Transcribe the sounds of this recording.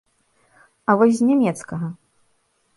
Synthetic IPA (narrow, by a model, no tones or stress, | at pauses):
ɐvɔsʲzʲnʲɛmʲɛt̪skɐɣɐ